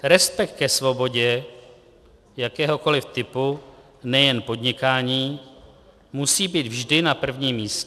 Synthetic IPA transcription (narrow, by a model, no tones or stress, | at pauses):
ɾɛspɛk̚t̪̚kɛsvo̞bo̞ɟɛ | jakɛːɦo̞ko̞lɪft̪ɪpu | nɛjɛnpo̞dɲɪkaːɲiː | musiːbiːd̪vʒdɪnapr̩vɲiːmːiːscɛ